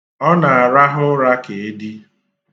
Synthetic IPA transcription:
ɔ˦na˨a˨ɾa˦ɦʊ˦ɾa˦ke˨e˦di˦

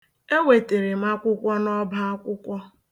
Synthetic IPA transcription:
e˦we˨te˨ɾɪ˨ma˦kʷʊ˦kʷɔ˦nɔ˦ba˦a˦kʷʊ˦kʷɔ˦

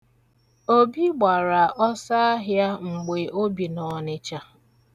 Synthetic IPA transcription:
o˦bi˦ɡ͡ba˨ɾa˨ʔɔ˦sa˦a˦ɦja˦ŋ͡m̩˨ɡ͡be˨ʔo˦bi˨nɔ˨nɪ˦t͡ʃa˦

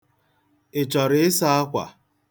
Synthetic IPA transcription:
ɪ˨t͡ʃɔ˨ɾɪ˦ɪ˦sa˦a˦kʷa̰˨

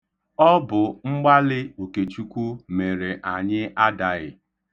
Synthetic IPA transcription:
ɔ˦bʊ˨ŋ͡m̩˦ɡ͡ba˦lɪ˦o˨ke˨t͡ʃu˦kʷu˦me˨ɾe˨ʔa˨ɲɪ˦a˦da˨ɣɪ˨

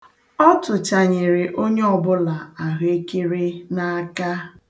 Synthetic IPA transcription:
ɔ˦tʊ˨t͡ʃa˨ɲe˨ɾe˨ʔo˦ɲe˦ɔ˨bʊ˦la˨a˨ɦe˦ke˦ɾe˦na˦ka˦

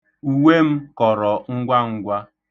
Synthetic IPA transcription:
u˨we˦m̩˦kɔ˨ɾɔ˨ŋ̩˦ɡʷa˦ŋ̩˦ɡʷa˦

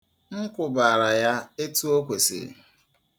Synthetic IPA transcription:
ŋ̩˦kʷʊ˨ba˨a˨ɾa˨ja˦e˦tu˦o˦kʷe˨sɪ̰˨

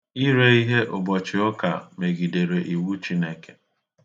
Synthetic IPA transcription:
i˦ɾe˦i˦ɦe˦ʔʊ˨bɔ˨t͡ʃɪ˨ʊ˦ka̰˨me˨ɡi˨de˨ɾe˨ʔi˨wu˦t͡ʃi˦ne˦ke˦

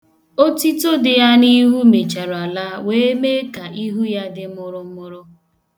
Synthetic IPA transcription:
o˦ti˦to˦dɪ˨ja˦ni˦ɦu˦me˨t͡ʃa˨ɾa˨la˦we˦me˦ka˨ʔi˦ɦu˦ja˦dɪ˦m̩ʊ˦ɾʊ˦m̩˦mʊ˦ɾʊ˦

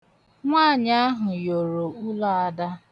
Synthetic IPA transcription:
ŋʷaː˦˨ɲa˦ɦʊ˨jo˨ɾo˨u˦la˦a˦da˦

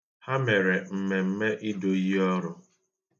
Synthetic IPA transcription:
ha˦me˨ɾe˨m̩˨me˨m̩˦me˦ʔi˦do˨i˦ɦɔ˦ɾʊ˦

